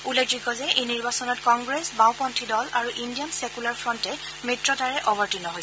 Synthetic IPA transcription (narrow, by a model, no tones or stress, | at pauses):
uleɡziɡɔzɛʔejniɹbasɔnɔtkɔŋɡɹesbãw̃pɔntʰidɔlaɹuʔindijansɛkulaɹfʰɹɔntɛ | mitɹɔtaɹɛʔɔbɔɹtinɔɦojsɛ